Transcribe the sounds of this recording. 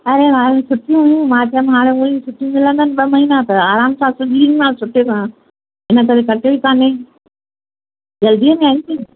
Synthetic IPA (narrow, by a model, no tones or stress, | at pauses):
ɐɾeɾaːmẽsʊʈʰijũɦʊjũmãːt͡ɕɐmɦaːɽ̃eoĩsʊʈʰijũmɪlə̃nd̪aənɪ̆ɓɐmɐɦiːnat̪ɐaːɾaːmsãːsʊbʱiːɾmãːsʊʈʰekʰã | ɦɪnəkɐɾekɐʈebikaːne | d͡ʑɐld̪iəmẽaːĩt̪ʰiː